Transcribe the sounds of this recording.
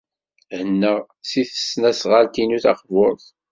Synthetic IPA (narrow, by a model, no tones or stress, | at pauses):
hənːəʁ | siθə̥snæsʁalt̪inuθɑχvoɾˤθ